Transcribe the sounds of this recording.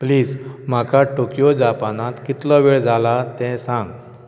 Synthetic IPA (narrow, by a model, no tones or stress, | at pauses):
pliːd͡zm̤akaʈokijod͡ʑapanãt̪kit̪lɔʋeɭd͡zʱalat̪ɛ̃sãŋɡ